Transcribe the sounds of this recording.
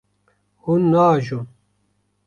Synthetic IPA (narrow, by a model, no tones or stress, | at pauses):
hunːaːʒum